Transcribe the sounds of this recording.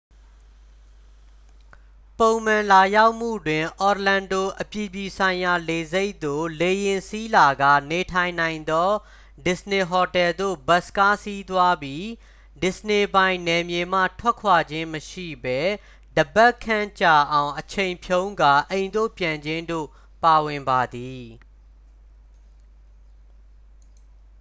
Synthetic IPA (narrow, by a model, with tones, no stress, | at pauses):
põ˨ʊ̃m̥ã˨la˨ja˦ʊʔm̥ṵ˦˨dwɪ̃˨ʔɔ˨tlã˨ndo˦˨ʔəpji˨bji˨sʰã˨ɪ̃ja˨le˨ze˦ɪʔt̪o̰˦˨le˨jɪ̃˨nsi˦la˨ɡa˦˨ne˨tʰã˨ɪ̃nã˨ɪ̃nd̪ɔ˦ | dɪ˨sne˨ɦɔ˨tɛ˨ld̪o̰˦˨ba˦ʔska˦si˦t̪wa˦bji˦ | dɪ˨səne˨bã˨ɪ̃nɛ˨mje˨m̥a̰˦˨tʰw̥ɛ˦ʔkʰwa˨d͡ʑɪ̃˦məʃḭ˦˨bɛ˦ | dəbɛ˦ʔkʰːã˦˨t͡ɕa˦˨ʔã˨ʊ̃ʔət͡ɕʰẽ˨ɪ̃mpʰjõ˦ʊ̃ŋɡa˨ʔẽ˨ɪ̃nd̪o̰˦˨pjã˨ɲd͡ʑɪ̃˦ndo̰˦˨ | pa˨wɪ̃˨mba˨d̪i˨